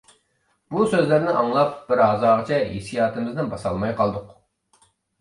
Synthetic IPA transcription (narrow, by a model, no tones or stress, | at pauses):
busøzlɪɾnɪʔɑŋlˠɑp̚b̥ɪɾɦɑzɑːʁət͡ʃʰɛɦḛsijɑːt̪ɨmɪznɪnbɑsɑ̰lˠmɑjqʰɑlˠd̪ʊq